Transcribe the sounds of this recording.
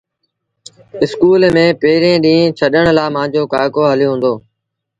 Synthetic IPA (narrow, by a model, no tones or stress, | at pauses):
ɪskuːlmẽːpeːɾẽːɗĩːt͡ʃʰəɗəɳ̃laːmãːɲd͡ʑoːkaːkoːɦəljoːɦũːnd̪oː